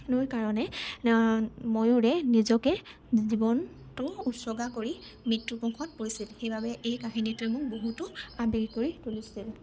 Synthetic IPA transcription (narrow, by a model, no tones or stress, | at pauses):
nojkaɹɔnɛ | mojʊɹɛnizɔkɛ | zibɔn | tʊutsɔɡakoɹi | mɹitːupɔŋkʰɔt̚poɹisilxejbabɛʔejkaxinitʊɛmʊk̚boɦutʊabiɹkoɹitulisil